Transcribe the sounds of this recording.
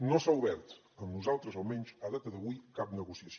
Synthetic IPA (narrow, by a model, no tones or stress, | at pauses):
nosauβɛɾt̪ | əmnuzalˠt̪ɾəzolˠmɛɲʲt͡ʃəðat̪əðəβujkap̚nəɣusiəs